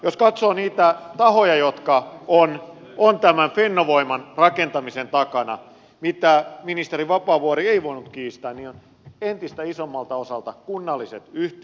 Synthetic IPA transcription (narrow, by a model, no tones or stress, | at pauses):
joskɑt̪soːniːt̪æt̪ɑhojɑjot̪kɑon | ont̪æmænfenːoʋoimɑnrɑkent̪ɑmisent̪ɑkɑnɑ | mit̪æminist̪eriʋɑpɑːʋuorieiʋoinut̪kiːst̪æːnniːon | ent̪ist̪æisomːɑlt̪ɑosɑlt̪ɑkunːɑlːiset̪yht̪